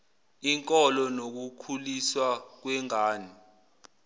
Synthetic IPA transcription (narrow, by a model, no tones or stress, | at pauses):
iŋkʼɔlɔnok̬ukʰuliswak̬wɛŋaːni